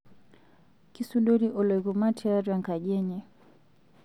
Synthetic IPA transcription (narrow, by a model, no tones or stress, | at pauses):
kisuɗɔɾiʔɔlɔiɣumatʰɛaɾwaŋkaʄɛɲɛ